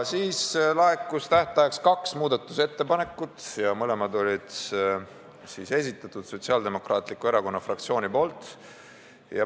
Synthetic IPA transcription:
siːslɑekːˑust̪æht̪ˑɑjɑkskɑksmuːd̪̥ɑt̪ːˑu̥se̞t̪ːe̞pɑne̞kːˑut̪jɑmɤle̞mɑd̪o̞lʲid̪̥ | siːse̞s̬ʲit̪ːˑɑt̪ˑud̪̥so̞t̪siɑːld̪e̞mo̞krɑːt̪ˑlikːˑue̞ɾɑko̞nːɑfrɑkt̪sio̞ːnipo̞ːlt̪ˑ | jɑ̰

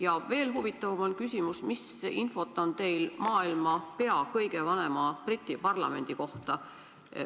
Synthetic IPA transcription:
jɑve̞ːlɦuvit̪ːˑɑvɑmo̞lkysʲimusmisinfo̞t̪ːˑo̞nt̪e̞jlmɑːilmɑpe̞ɑkɤjɡe̞vɑne̞mɑprit̪ʲːˑipɑrlɑ̰me̞nd̪̥iko̞ht̪ɑ

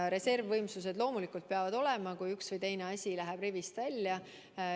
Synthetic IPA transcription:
ɾe̞se̞rvːɤjmsus̬e̞d̪̥lo̞ːmulikˑult̪̚peɑvɑd̪o̞le̞mɑkujyksvɤjt̪e̞jne̞ɑsʲilæɦeb̥rivist̪vælʲːjɑ

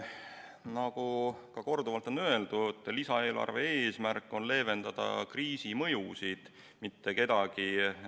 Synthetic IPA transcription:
nɑɡ̥ukɑko̞rd̪uvɑlt̪ːˑo̞nːø̞e̞ld̪̥ut̪ːˑlisɑe̞ːlʔɑ̰rve̞eːsmærkːˑo̞nle̞ːve̞nd̪̥ɑd̪̥ɑ̰kriːsimɤ̞jusid̪̥ | mit̪ːe̞ke̞d̪̥ɑɡ̥i

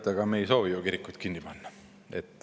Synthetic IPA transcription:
t̪ːˑɑɡ̥ɑmejso̞ːʋijokiɾikːˑujt̪kinːipɑnːɑ | ḛt̪ːˑ

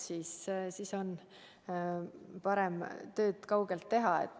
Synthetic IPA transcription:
siːssiːso̞n | pɑɾemt̪ø̞ːd̪̥kɑwɡ̥e̞lt̪ːe̞ɦɑḛt̪ːˑ

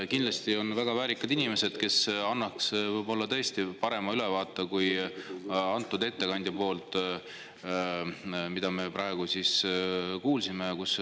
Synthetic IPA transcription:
kind̪lɑst̪io̞nvæɡ̥ɑvæːɾikːˑɑd̪̥inime̞se̞d̪̥ke̞sɑnːɑksvɤjbo̞lːɑt̪ɤ̞est̪ipɑɾe̞mɑylevɑːt̪ːˑɑkuj | ɑnt̪ːˑud̪e̞t̪ːe̞kɑnʲd̪jɑpo̞ːlt̪ˑ | mid̪̥ɑme̞prɑe̞ɡ̥usiskuːlsime̞kus

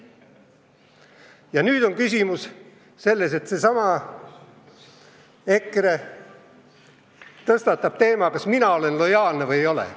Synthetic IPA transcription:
jɑnyːd̪̥o̞ŋkysʲimus | se̞lːe̞s̬e̞t̪sesɑmɑ | ekre | t̪ɤst̪ɑt̪ːˑɑb̥̚t̪e̞ːmɑkɑsminɑo̞le̞nlo̞jɑːlnevɤjejo̞lḛ

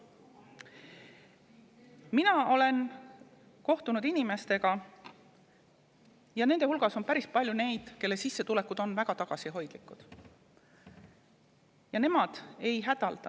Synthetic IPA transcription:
minɑo̞le̞n | ko̞ht̪unud̪̥inime̞st̪e̞ɡ̥ɑ | jɑne̞nd̪̥e̞hulɡ̥ɑso̞npæɾispɑlʲjune̞jd̪̥ke̞lːe̞sisːe̞t̪ule̞kːud̪̥o̞nvæɡ̥ɑt̪ɑɡ̥ɑsiɦo̞jd̪̥likːˑud̪̥ | jɑne̞mɑd̪̥e̞jɦæd̪̥ɑld̪̥ɑ

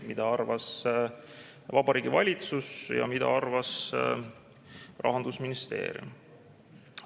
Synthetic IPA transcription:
mid̪ɑɑrvɑs | vɑbɑɾiːɡivɑlʲit̪susjɑ̰mid̪ɑ̰ɑrvɑs | rʔɑ̰ɦɑnd̪usminist̪e̞̰ːɾjṵm

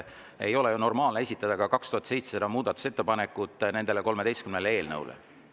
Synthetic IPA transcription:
e̞̰jo̞lejuno̞rmɑːlnee̞sʲit̪ːˑɑd̪ɑkɑkɑkst̪uhɑt̪se̞jt̪sesed̪ɑmuːd̪̥ɑt̪ːˑu̥se̞t̪ːe̞pɑne̞kːˑut̪ːˑne̞nd̪e̞leko̞lmed̪e̞jst̪kymnelee̞ːlnɤwlʔḛ

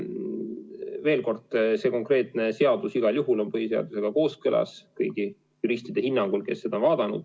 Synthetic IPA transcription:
ve̞ːlko̞rd̪̥se̞ːko̞ŋkre̞ːt̪ˑne̞se̞ɑd̪̥usiɡ̥ɑljuɦulo̞npɤhiseɑ̰d̪̥use̞ɡ̥ɑko̞ːskølɑ̰skɤjɡ̥i | juɾisʲt̪id̪̥e̞hinːɑŋɡ̥ulke̞sːed̪ɑonvɑːd̪̥ɑnṵd̪̥

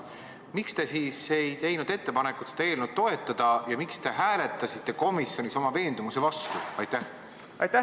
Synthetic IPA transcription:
mikst̪e̞siːse̞jt̪e̞jnud̪̥e̞t̪ːe̞pɑne̞kut̪se̥ɑe̞ːlnud̪̚t̪ːo̞e̞t̪ːˑɑd̪̥ɑjɑmikst̪e̞ɦæːle̞t̪ˑːɑsit̪ːˑe̞ko̞misjo̞niso̞mɑve̞ːnd̪̥umuse̞vɑst̪uɑjt̪ːˑæh | ɑjt̪æ

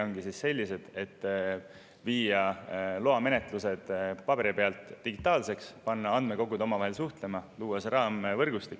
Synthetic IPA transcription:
oŋɡ̥isisse̞lʲːise̞d̪̥e̞t̪ː | viːjɑloɑme̞net̪ˑluse̞d̪̥pɑb̥e̞ɾipeɑlt̪ˑːiɡ̥it̪ːˑɑːlse̞kspɑnːɑɑnd̪̥me̞ko̞ɡud̪o̞mɑvɑɦe̞lsuht̪le̞mɑluːwɑseɾɑːmvɤrɡ̥ust̪ikː

